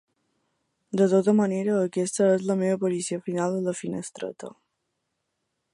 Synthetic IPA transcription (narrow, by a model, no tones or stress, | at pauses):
d̪ət̪ot̪əməneɾəːkest̪əezləmeəpoɾisiəfinald̪ələfinəst̪ɾə̰t̪ə̰